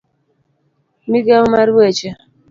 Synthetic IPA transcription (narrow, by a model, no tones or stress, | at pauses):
miɡaumaɾet͡ʃɛ